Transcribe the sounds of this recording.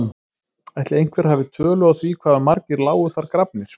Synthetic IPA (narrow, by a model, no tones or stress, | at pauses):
ajt̪lɪejn̥kʰvɛɾ̥havɪt̪ʰœːlʏaθvikʰvaːðamaɾcɪɾlaːwʏθaɾkɾapnɪɾ̥